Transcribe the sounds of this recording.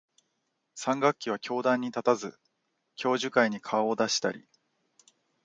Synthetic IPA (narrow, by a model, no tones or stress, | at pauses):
sãŋɡakʲːiβ̞akʲo̞ːd̪ãɲ̟ːit̪at̪azɨ | kʲo̞ːʑɨkaiɲ̟ikʰaoːd̪aɕi̥t̪a̰ɾʲḭ